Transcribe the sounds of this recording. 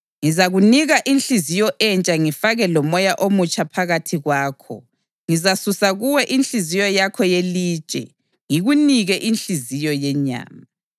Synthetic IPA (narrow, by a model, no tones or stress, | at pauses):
ŋizaɣuniɣaʔinɬizijɔʔɛnt͡ʃʼaŋifaɣɛlɔmɔjaʔomut͡ʃʰʼapʰaɣatʰiɣwaːkʰɔ̰ | ŋizasusaɣuwɛʔinɬizijɔjakʰɔjeliːt͡ʃʼɛ̰ | ŋiɣuniɣɛʔinɬizijɔjɛɲa̰ːma